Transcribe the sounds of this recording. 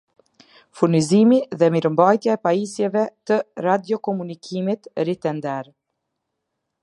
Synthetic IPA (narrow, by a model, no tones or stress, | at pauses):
funizimiðɛmiɾəmbajt̪jaɛpaisjɛvɛt̪ərad̪jɔkɔmunikʰimit̪ɾit̪ɛnd̪ɛɾ